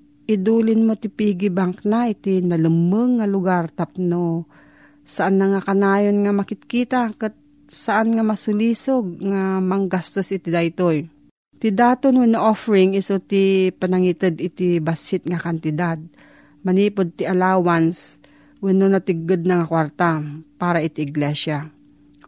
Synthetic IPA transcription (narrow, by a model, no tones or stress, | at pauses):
ʔɪd̪uːlɪnmot̪ɪpiːɡɪbaŋknaɪt̪inɐlɨmːəŋːɐlʊɡaɾt̪ap̚no | sɐʔanːɐŋakɐnaːjonŋamɐkɪt̪̚kiːt̪akɛt̪̚ | sɐʔanŋamɐsʊliːsoɡ̚ŋamɐŋɡast̪osɪt̪ɪd̪ajt̪oj | t̪ɪd̪aːt̪onwɪnoʔofɛɹɪŋɪsot̪ɪpɐnaŋit̪ɨd̪ɪt̪ɪbasɪt̪̚ŋakant̪ɪd̪ad̪̚ | mɐniːpod̪̚t̪ɪʔɐlaːwans | wɪnonɐt̪ɪɡ̚ːɨd̪̚nɐŋakwaɾt̪apaːɾaʔɪt̪ɪʔɪɡlɛʃa